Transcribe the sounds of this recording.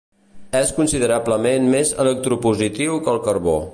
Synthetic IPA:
ɛskunsiðəɾabləmenmezə̰lək̚t̪ɾupuzit̪iwkəlˠkərβo̰

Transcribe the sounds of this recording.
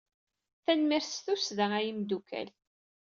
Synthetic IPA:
θænmiɾsθusðææjimd̪ukæ̰l

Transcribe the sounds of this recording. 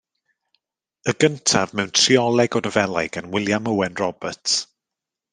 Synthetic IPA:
əɡəntʰavmɛwntʰriɔlˠɛɡɔnəvɛlˠajɡanwɪlˠjaməwɛnrɔbətʰ

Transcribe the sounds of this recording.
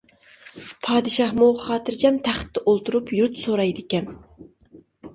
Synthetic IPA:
pʰɑːd̪ɨʃɑhmuχɑːt̪ʰɨɾd͡ʒʰɛmt̪ʰæχt̪ːɛʔolˠt̪uɾupjuɾt̪soɾɑjd̪ɪkʲɛn

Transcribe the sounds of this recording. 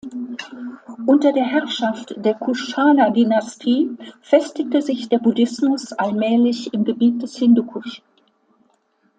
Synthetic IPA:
ʔʊntɐdeːɐɦɛʁʃaftd̥eːɐkʰuʃaːnɐdynastʰiːfɛstɪk̚təzɪçd̥eːɐbudɪsmʊsʔalmɛːlɪçɪmɡəbiːt̚d̥ɛshɪndukʰʊs

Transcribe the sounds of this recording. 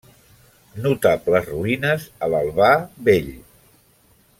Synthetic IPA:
nut̪apləzruinəzələlˠβaβeʎ

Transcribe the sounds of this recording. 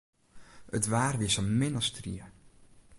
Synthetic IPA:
ətʋaːrʋiəsəmɪnəstrḭə

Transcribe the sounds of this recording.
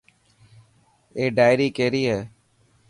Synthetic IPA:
eːɖaːɪjɾiːkeːɾiːɦɛː

